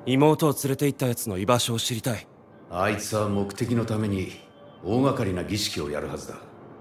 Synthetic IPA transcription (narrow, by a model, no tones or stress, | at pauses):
imo̞ːt̪o̞ːt͡sɨɾe̞t̪e̞it̪ːajat͡sɨno̞ibaɕo̞ːɕiɾʲit̪ai | ait͡sɨβamo̞kɯ̟̥t̪e̞kʲino̞t̪ame̞ɲ̟i | oːɡakaɾʲinaɡʲiɕi̥kʲio̞̰ja̰ɾɯ̟hazɨd̪a